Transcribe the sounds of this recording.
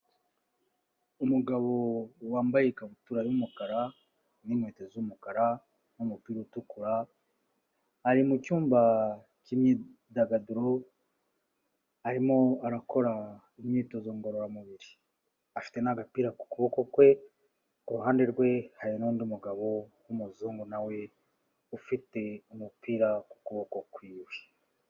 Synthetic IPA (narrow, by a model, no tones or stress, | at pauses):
umuɡaβo̞waːmbajekaβutuːɾajumukaɾa | nimweːtezumukaɾa | numupiːɾoutukuɾa | ɾimucuːmba | cimɲi | daɡaduɾo̞ | aɾimoaɾako̞ɾa | imɲiːto̞zoːŋɡo̞ɾoɾamuβiɾi | afi̥tenaɡapiːɾaku̥kuβo̞ko̞kwe̞ | uɾuɦaːndeɾɡwe̞hajinoːndiumuɡaβo̞wumuzuːŋɡonawe̞ | ufite̞umupiːɾaku̥kuβo̞kokwiːwe